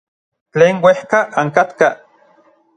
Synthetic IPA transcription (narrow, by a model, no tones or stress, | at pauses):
t͡ɬeːnwehkaaŋkat̪ka